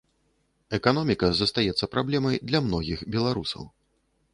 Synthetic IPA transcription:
ɛkanɔmʲikɐzɐst̪ajɛt̪sːɐpɾablʲɛmɐjd̪lʲɐmnɔɣʲixbʲɛlˠaɾusɐ̰w

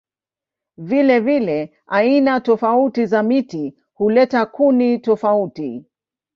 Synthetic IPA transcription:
vilɛvilɛ | ainatɔfautizamiti | hulɛtakunitɔfauti

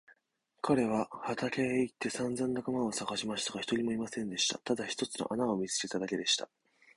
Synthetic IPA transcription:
kʰaɾe̞β̞ahat̪akeit̪ːe̞sãnzãnd̪akamaosaɡaɕimaɕi̥t̪aɡaçi̥t̪o̞ɾʲimo̞imasẽ̞nd̪e̞ɕi̥t̪a̰t̪ad̪açi̥t̪o̞t͡sɨno̞̰ʔanaomʲit͡sɨ̥ke̞t̪ad̪ake̞d̪e̞ɕi̥t̪a

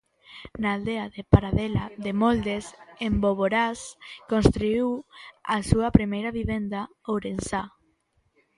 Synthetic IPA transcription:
naːld̪eaðepaɾaðɛlaðemold̪esemboβoɾaskonst̪ɾuiwasuɐpɾimejɾɐβiβend̪a | owɾensa

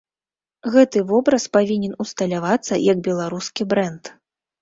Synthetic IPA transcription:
ɣɛt̪ɨvɔbɾɐspavʲinʲɛnust̪ɐlʲavat̪sːɐ̰jɐɡ̚bʲɛlˠaɾuskʲibɾɛnt̪

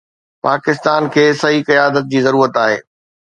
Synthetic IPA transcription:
paːkɪst̪aːnkʰeːsɐɦikɐjaːd̪ət̪̚d͡ʑiːzɐɾuːɾət̪aːɦḛː

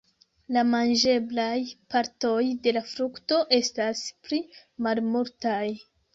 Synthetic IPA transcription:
lamand͡ʒe̞blajpaɾto̞jde̞lafɾukto̞ʔe̞stasplimalmuɾtaj

